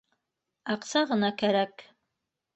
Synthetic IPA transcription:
ɑqsɑʁɤ̆nɑkæɾæk

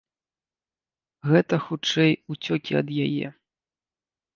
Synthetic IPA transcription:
ɣɛt̪ɐxut͡ʂɛjut͡sʲɔkʲiɐ̰d̪jajɛ̰

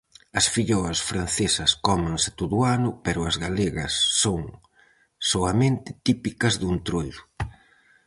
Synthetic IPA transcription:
ɐsfiʎɔɐsfɾan̟θesɐskɔmaŋsɪ̥t̪oðʊanʊpɛɾʊɐzɣaleɣɐsːoŋ | soɐmẽnt̪ɪt̪ipikɐzðunt̪ɾojðʊ

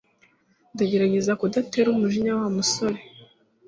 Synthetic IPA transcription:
ndaɟe̞ɾaɟe̞zakodateɾumuʒiɲawamusoɾe̞

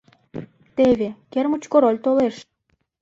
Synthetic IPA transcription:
t̪eβekermut͡ɕkoɾolʲt̪oleʃ

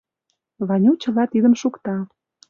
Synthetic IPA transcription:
βɑnʲut͡ɕə̆lɑt̪id̪ə̆mʃukt̪ɑ

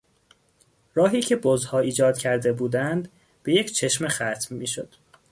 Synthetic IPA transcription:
ɾɒːɦiːcʰe̞bozhɒːiːd͡ʒɒːd̪̥cʰæɾd̪e̞buːd̪ænd̪ | b̥e̞je̞cʰt͡ʃʰe̞ʃmexæt̪ʰmːiːʃod̪̥

